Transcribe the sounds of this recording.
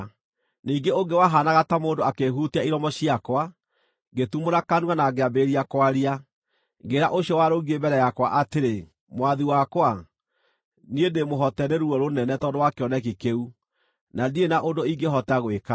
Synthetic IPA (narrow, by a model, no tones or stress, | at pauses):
niːɡeoŋɡewaɦanaɣatamoːndoakeɦutiaiɾɔmɔɕiakwa | ɡetumoɾakanwanaɡeabeːɾiakwaɾia | ŋɡeɾaʔoɕiɔwaɾoɡiebɛɾɛjakwa̰ʔateɾe | mwaðiwakwa | niendemoɦɔtɛneɾuɔɾonɛnɛtɔndowakeɔnɛkikeu | nadienaʔondoiŋɡeɦɔtaɣweka